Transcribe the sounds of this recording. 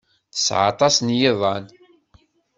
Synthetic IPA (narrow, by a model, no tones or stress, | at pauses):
θə̥sʕɑ̰t̪ˤɑsnjeðˤɑn